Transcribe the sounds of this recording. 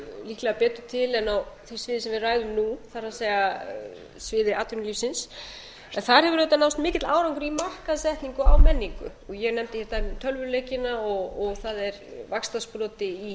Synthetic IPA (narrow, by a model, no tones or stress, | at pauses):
lihklaɣapɛːt̪ʏt̪ʰɪlɛnawθi̥svɪːðɪsɛmvɪraːjðʏmnuθaɾ̥haseːjɣa | svɪːðɪʔaːt̪ʏnʏlifsɪns | ɛnθaɾhɛvʏɾœt̪anawst̪mɪːcɪt̪laːwɾawŋkʏɾimahkaðsɛht̪niŋkʏawmɛnːiŋkʏ̰ | ɔɣjɛɣnɛmt̪ɪçɛɾt̪at̪ʰœlvʏleːjcɪnaɔɣɔɣθaðɛɾvakst̪aspɾɔːt̪ɪi